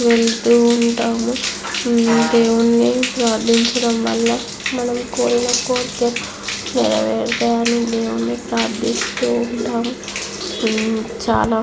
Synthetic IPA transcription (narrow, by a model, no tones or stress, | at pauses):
ʋeɭt̪uːɳʈaːmu | d̪eːwunːipɾaːɾd̪ʱiɲt͡ʃɐɽɐmʋɐ̰lːɐ | mɐnɐmkoːɾinɐkoːɾt̪ːɐɾ | niɾɐ̰ʋɛːɾd̪ɐjanid̪eːwunːipɾaːɾd̪ʱist̪uːɳʈaːmu | t͡ʃa̰ːlaː